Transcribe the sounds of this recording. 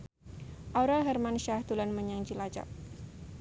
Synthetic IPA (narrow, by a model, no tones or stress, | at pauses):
ʔaɾalɦɛrmanʃahd̪ulanməɲaŋd͡ʒilad͡ʒa̰p̚